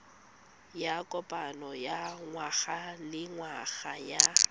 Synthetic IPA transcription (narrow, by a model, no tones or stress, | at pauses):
jakʼɔpʼanɔjaŋwaɣalɪŋwaɣaja